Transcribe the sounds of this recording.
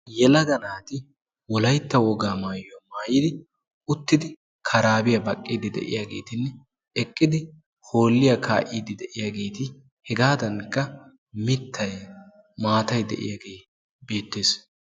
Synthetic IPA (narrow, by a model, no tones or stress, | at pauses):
jɛlɐɡɐnaːt̪ɪ | wɔlɐjt̪ːɐwɔɡaːmaːjomaːjɪd̪ɪ | ʊt̪ːɪd̪ɪ | kʰɐɾaːbɪjɐbɐkʼːid̪ɪd̪ɛ̰ʔɪ̰jaːɡe̞̰ːt̪ɪnːɛ | ɛkʼːɪd̪ɪ | ho̞ːlːɪjɐkʰa̰ːʔiːd̪ɪd̪ɛʔɪjaːɡe̞ːt̪ɪ | hɛɡaːd̪ɐnkːɐ | mɪt̪ʰːɐj | maːt̪ɐjd̪ɛ̰ʔɪ̰jaɡeː | be̞ːt̪ːe̞ːs